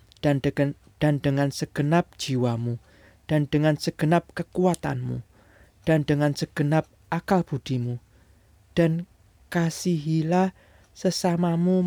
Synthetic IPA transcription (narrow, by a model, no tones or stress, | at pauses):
d̥andəŋansəɡ̥ənap̚d̥d͡ʒ̥iwamu | d̥and̥əŋansəɡ̥ənap̚kəkuat̪a̰nmṵ | d̥andəŋansəɡ̥ənap̚ʔakalb̥ṳd̪̥i̤mu | d̥a̤n | kasiɦilah | səsamamu